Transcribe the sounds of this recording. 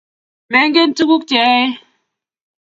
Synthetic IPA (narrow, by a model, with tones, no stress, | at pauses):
me˨˦ŋ˦ɡe˦n̩˦tu˦ɣu˦k̚tjɛ˨˦e˦